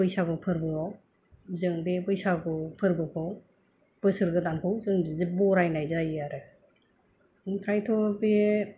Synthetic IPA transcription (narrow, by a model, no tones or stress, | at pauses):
bɯjsabɯpʰɯɾbɯaw | zɯŋbebɯjsaɡɯpʰɯɾbɯpʰɯw | b̥ɯsɯɾɡɯtankʰɯwzɯŋbizɯbɔɾajnajzajaɾɯ | kʰɾajtʰɔbe